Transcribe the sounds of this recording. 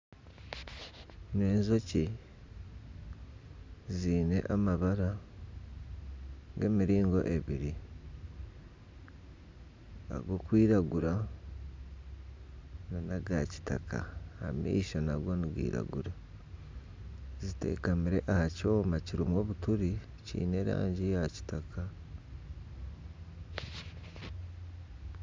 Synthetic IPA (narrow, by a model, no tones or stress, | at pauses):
ne̞ːnzo̞ci | ziːne̞̰ʔamaβaɾa | ɡe̞ːmiɾiːŋɡo̞̰ʔe̞βiɾi | a̰ɡo̞kwiːɾaɡuɾa | nanaɡaci̥ta̰kʰa̰amḭiʃonaɡo̞niɡwḭːɾa̰ɡuɾa | zite̞̰ːkamiɾe̞ʔahaco̞ːmaciɾimwo̞ːβutuɾi | cḭːne̞ɾa̰ːɲɟijaci̥takʰa